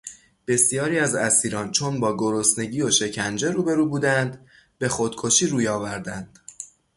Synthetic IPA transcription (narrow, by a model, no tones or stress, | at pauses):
b̥e̞sjɒːɾiːæzæsiːɾɒːnt͡ʃʰo̞nbɒːɡo̞ɾosne̞ɟiːoʃe̞cʰænd͡ʒe̞ɾuːbe̞ɾuːbuːd̪ænd̪ | be̞xod̪̥kʰo̞ʃiːɾuːjɒːvæɾd̪ænd̪̥